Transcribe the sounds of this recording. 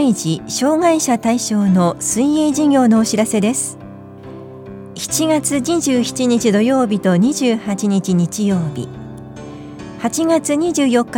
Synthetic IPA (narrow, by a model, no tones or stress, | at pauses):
iʑiɕo̞ːŋaiɕat̪aiɕo̞ːno̞sɨ̃ĩeʑiɡʲo̞ːno̞ːɕiɾase̞d̪e̞sɨ̥ | çi̥t͡ɕiɡat͡sɨɲiʑɨːçi̥t͡ɕiɲ̟it͡ɕid̪o̞jo̞ːbʲit̪o̞ɲ̟iʑɨːhat͡ɕiɲ̟it͡ɕiɲ̟it͡ɕijo̞ːbʲḭ | hat͡ɕiɡat͡sɨɲ̟iʑɨːjo̞kːa